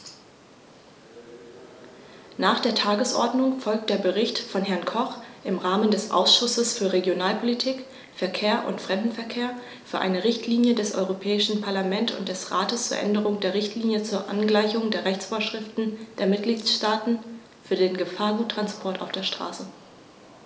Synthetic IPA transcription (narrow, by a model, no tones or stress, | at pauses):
naːχd̥eːɐtʰaːɡəsʔɔ̰ɐdnʊŋfɔlk̚t̚d̥eːɐbəʁɪçtfɔnɦɛɐnkʰɔχʔɪmʁaːməndɛsʔa̰ʊsʃʊsəsfyːɐʁeɡjonaːlpʰolitʰiːk | fɛɐkʰeːɐʔʊ̰ntfʁ̥ɛmdn̩fɛɐkʰeːɐ | fyːɐʔa̰ɪnəʁɪçtʰliːnjədɛsʔɔ̰ʏʁopʰɛːɪʃn̩pʰaɐlamɛntʊ̰nt̚d̥ɛsʁaːtəst͡suːɐʔɛ̰ndəʁ̞ʊŋdeːɐʁɪçtliːnjət͡suːɐʔa̰nɡlaɪçʊŋdeːɐʁɛçt͡sfoːɐʃʁ̥ɪftn̩d̥eːɐmɪt̚ɡ̥liːtʃtaːtn̩ | fyːɐdeːnɡəfaːɐɡuːtːʁ̥anspʰɔɐta̰ʊfd̥eːɐʃtʁ̥a̰ːsə